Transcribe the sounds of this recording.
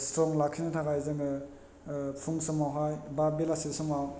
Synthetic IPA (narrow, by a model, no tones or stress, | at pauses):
stɾɔŋlakʰinɯtʰakajzɯŋɯ | pʰuŋsɔmawɦajbabelasisɔmaw